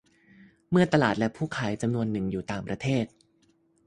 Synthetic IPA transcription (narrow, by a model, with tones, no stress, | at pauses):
mɯ˥˩ɐt̪a˧laː˨˩t̪̚lɛ˦˥pʰuː˥˩kʰa˦˥jt͡ɕa˧mnu˧ənːɯ˨˩ŋjuː˨˩t̪aː˨˩ŋpɾa˧t̪ʰeː˥˩t̪̚